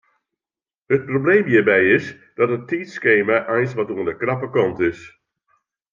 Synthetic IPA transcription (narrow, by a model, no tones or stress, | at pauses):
hət̚probleːmjiːbɛjɪs | d̥ɔtətiːtskeːmaʔɛjnsʋɔtuəndəkrapəkɔntɪs